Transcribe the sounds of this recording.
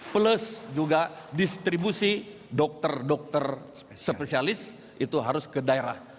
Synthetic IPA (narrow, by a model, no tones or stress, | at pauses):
pələsd͡ʒuɡadist̪ɾibusi | dɔk̚t̪ərdɔk̚t̪ər | səpesialɪs | ʔit̪uɦaɾʊskədaeɾa̰h